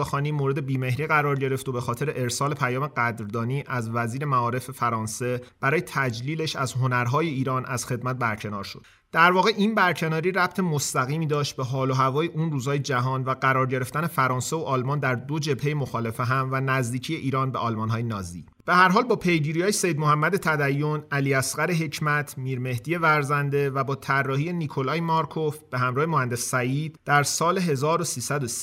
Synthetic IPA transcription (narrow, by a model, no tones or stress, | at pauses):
exɒːniːmoɾe̞d̪e̞biːme̞hɾiːɣæɾɒːɾɟe̞ɾe̞ft̪obe̞xɒːt̪ʰe̞ɾeʔeɾsɒːle̞pʰæjɒːme̞ɡæd̪ɾd̪ɒːniːʔæzvæziːɾe̞mæɒːɾe̞fefæɾɒːnse̞b̥æɾɒːjet̪ʰæd͡ʒliːle̞ʃæzɦo̞næɾɦɒːje̞iːɾɒːnʔæz̥xe̞d̪mæt̪̚bæɾcʰe̞nɒ̰ːɾʃod̪̥ | d̪̥æɾvɒːɣe̞ʔiːnbæɾcʰe̞nɒːɾiːɾæb̚t̪ʰe̞most̪æɣiːmiːd̪ɒːʃt̪̚beɦɒːloɦævɒːjeʔuːnruːzhɒːjed͡ʒæɦɒːnvæɡæɾɒːɾɟe̞ɾe̞ft̪ænefæɾɒːnsevoʔɒːlmɒːnd̪æɾd̪o̞d͡ʒe̞bhe̞jemo̞xɒːle̞feɦæmvænæzd̪iːcʰijeʔiːɾɒːnbeɒːlmɒnɦɒːjenɒːzḭː | b̥ehæɾɦɒːlbɒːpʰe̞jɟiːɾijɒːjesejd̪mohæmːæd̪e̞t̪ʰæd̪æjːonæliːæsɢæɾeɦe̞cʰmæt̪ʰmiːɾme̞hd̪ije̞væɾzænd̪e̞væbɒːt̪ʰærːɒːhije̞nikʰo̞lɒːjmɒɾkʰo̞fb̥e̞ɦæmɾɒːhemohænd̪esːæjiːd̪d̪æɾsɒːle̞ɦe̞zɒːɾosiːsæd̪o̞si̥